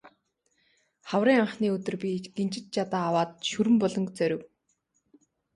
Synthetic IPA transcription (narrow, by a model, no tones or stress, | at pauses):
χawriːŋaɴχniːɵt̪ɵ̆rpʲiɡent͡ɕɪ̆t̪̚t͡ɕat̪aːwaːt̪̚ʃuɾɘ̆mpɔɮɞ̆ŋkt͡sœɾʲɪ̆w